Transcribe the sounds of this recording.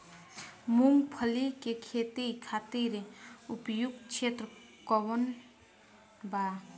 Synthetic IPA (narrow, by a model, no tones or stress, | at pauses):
muŋpʰəlikekʰet̪ikʰat̪iɾeupjuɡ̚t͡ʃʰet̪ɾə | kɔwɔn | ba